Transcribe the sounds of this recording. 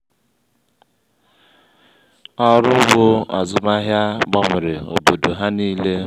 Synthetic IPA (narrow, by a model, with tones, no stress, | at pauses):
ɔ˦ɾʊ˦ɡ͡bo˦a̰˨zʊ˦ma˦ɦja˦ɡ͡bɔ˦m̩˨ɾe˨o̰˨bo˨du˨ɦa˦niː˦le˦